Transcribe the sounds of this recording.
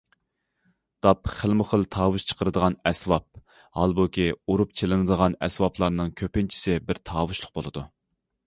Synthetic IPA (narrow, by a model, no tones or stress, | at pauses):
d̪̥ɑpχəlˠmʊχəlˠt̪ʰɑːwuʃt͡ʃʰə̥qʰəɾɨd̪əʁɑnɛsvɑp̚ | hɑlˠbukʲiuɾup̚t͡ʃʰelɨnɨd̪əʁɑnɛsvɑplˠɑɾnɨŋkʲʰøpɪnt͡ʃʰi̥sɪbɪɾt̪ʰɑːwuʃlˠʊq̚bo̰lˠɨd̪u